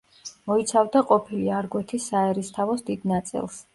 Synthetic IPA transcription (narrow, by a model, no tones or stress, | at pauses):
mɔit̪sʰavd̪aqʼɔpʰiliaɾɡwɛt̪ʰisaɛɾist̪ʰavɔsd̪id̪nat̪sʼḭlˠs